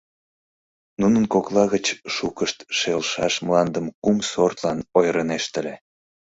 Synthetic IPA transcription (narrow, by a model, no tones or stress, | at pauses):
nunənkoklɑɣət͡ɕʃukəʃt̪ʃelʃɑ̰ʃmlɑnd̪əmkumsort̪lɑnojɾəneʃt̪ə̆lʲe